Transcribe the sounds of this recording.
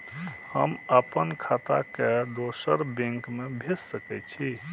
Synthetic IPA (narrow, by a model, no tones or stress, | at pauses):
hə̰məpənkʰat̪a̰ked̪osəɾbẽŋkmebʱessəkɛt͡ʃʰi